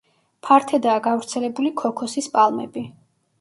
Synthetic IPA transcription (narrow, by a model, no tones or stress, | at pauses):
pʰaɾt̪ʰɛd̪aːɡavɾt̪sʰɛlɛbulikʰɔkʰɔsispʼalˠmɛbi